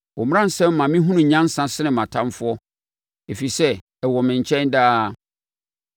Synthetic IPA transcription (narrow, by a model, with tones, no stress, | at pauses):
ɔ˨m˦ã˦n̩˨sɛ̃˦mː˦ã˨mĩ˦ɦũ˦nʊ̃˨ɲã˦n˦sã˦sɪ˦nɪ̃˨mã˨tʰã˦mfʊ˦ɔ˦ | e˨fi˨sɛ˦ | ɛ˨wɔ˨mɪ̃˨ɲ˨t͡ɕʰɛ̃˦ndaː˦˨